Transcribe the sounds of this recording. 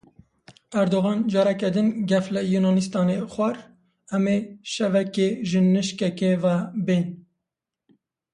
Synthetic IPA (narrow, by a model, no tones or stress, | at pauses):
æɾd̪oɣɑːnd͡ʒɑːɾɛkɛd̪ɨnɡɛflɨjunɑːnist̪ɑːnexʷɛɾ | ɛmeʃɛvɛkeʒɨnɨʃkɛkevɛben